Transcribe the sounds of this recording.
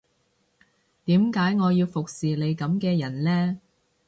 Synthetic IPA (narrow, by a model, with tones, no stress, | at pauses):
t̪iː˨˥mkaː˨˥jŋɔː˨˧jiː˧wfʊ˨k̚siː˨le˨˧jkɐ˨˥mkɛː˧jɐ˨˩nlɛː˥